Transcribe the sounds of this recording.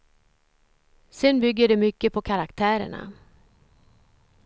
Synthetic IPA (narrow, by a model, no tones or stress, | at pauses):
sɛnbʏɡːəɖɛmʏkːəpʰɔkʰaɾakt̪ʰæːɾə̰ɳa̰